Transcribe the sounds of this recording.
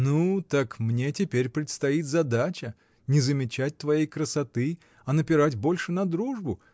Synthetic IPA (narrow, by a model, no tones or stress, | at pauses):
nut̪akmnʲe̞tʲɪpʲeɾʲpɾʲɪt̪st̪ɐit̪zɐd̪at͡ɕə | nʲɪzəmʲɪt͡ɕæt̚ʲt̪vɐjejkɾəsɐt̪ɨ | ɐnəpʲɪɾatʲbo̞lʲʂɨnɐd̪ɾuʐbʊ